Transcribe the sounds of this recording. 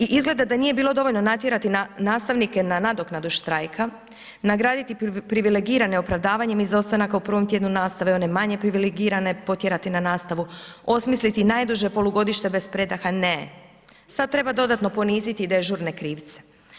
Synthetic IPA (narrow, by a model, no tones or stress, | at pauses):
iʔizɡle̞d̪ad̪anije̞biːlˠo̞d̪o̞ʋo̞ʎno̞nat̪jeɾat̪inaːst̪aʋnike̞nanad̪o̞knad̪uʃt̪ɾajkʰa | naɡɾaːd̪it̪ipɾiʋileɡiːɾaneopɾaʋd̪aːʋaɲe̞mizo̞st̪anakaupɾr̩ʋo̞mt̪jed̪nunaːst̪aʋeo̞ne̞maɲe̞pɾiʋileɡiːɾane̞po̞t̪jeɾat̪inanaːst̪aʋuo̞smislit̪inaːjd̪uʒe̞po̞lˠuɡo̞d̪iʃt̪e̞be̞spɾe̞d̪axane̞ | sad̪̚t̪ɾe̞bad̪o̞d̪at̪no̞po̞niːzit̪id̪ajeʒuːɾne̞kɾiːʋt̪se̥